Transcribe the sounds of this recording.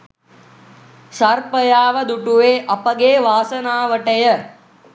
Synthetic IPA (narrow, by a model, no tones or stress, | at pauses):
sɐɾpɐjaːʋɐd̪uʈuʋeːʔɐpɐɡeːʋaːsɐnaːʋɐʈɐjə